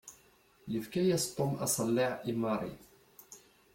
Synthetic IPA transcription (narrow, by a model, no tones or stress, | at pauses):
jəfkæjæst̪ˤːomʔɑ̰sˤɑlːiʕimːɑɾˤḭ